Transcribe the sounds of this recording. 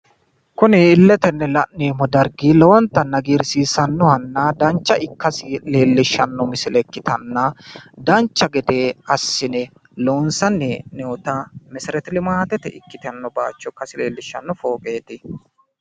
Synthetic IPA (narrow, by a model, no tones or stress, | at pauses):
kʊnɪːlːɛt̪ɛnːɛlɐʔneːmɔd̪ɐɾɡiːlɔwɔnt̪ːɐnːɐɡiːɾsiːsɐnːɔhɐnːɐd̪ɐnt͡ʃːɐʔɪkːɐsɪle̞ːlːɪʃːɐnːɔmɪsɪlɛkːɪt̪ɐnːɐd̪ɐnt͡ʃːɐɡɛd̪eːɐsːɪnɛ | loːnsɐnːɛnɛɔt̪ɐmɛsɪɾɛt̪ɪlɪmaːt̪ɛt̪ɛʔɪkːɪt̪ɐnːɔba̰ːt͡ʃːɔkːɐsɪleːlːɪʃːɐ̰nːɔfo̞ːkʼeːt̪ɪ